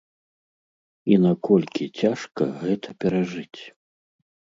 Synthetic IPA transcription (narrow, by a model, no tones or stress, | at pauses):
inakɔlʲkʲit͡sʲaʂkɐ̰ɣɛt̪ʰɐpʲɛɾaʐɨt͡sʲ